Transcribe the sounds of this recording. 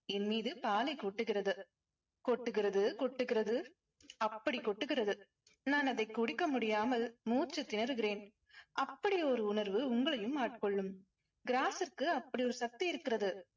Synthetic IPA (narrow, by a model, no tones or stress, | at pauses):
ɛnmiːðɯpaːlɐɪkːɔʈːɯɣɪrɐðɯ | kɔʈːɯɣɪrɐðɯkɔʈːɯɣɪɾɐðɯ | ɐpːɐɽikːɔʈːɯɣɪrɐðɯ | naːnɐðɐɪkʊɽɪkːɐmʊɽɪjaːmɐlmuːt͡ʃːɯt̪ːɪnɐɾɯɣɪɾeːn | ʔɐpːɐɽiɔɾɯʊnɐɾʋɯʊŋɡɐɭɐjɯmːaːʈkɔɭːɯm | ɡɪɾaːsɪrkɯɐpːɐɽiɔɾɯsɐk̚t̪iɪɾɯkːɪrɐðɯ